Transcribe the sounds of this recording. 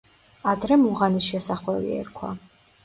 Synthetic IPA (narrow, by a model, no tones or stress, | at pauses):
ad̪ɾɛmuʁanisʃɛsaχwɛvḭɛ̰ɾkʰwa̰